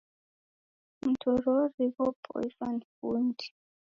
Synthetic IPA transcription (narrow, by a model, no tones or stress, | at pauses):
m̩tʰɔɾɔɾiβɔpʰʼɔ̰ifanfundi̥